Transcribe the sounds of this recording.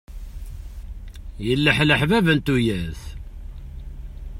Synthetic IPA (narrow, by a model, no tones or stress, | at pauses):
jəlːəħləħvævənt̪ujæθ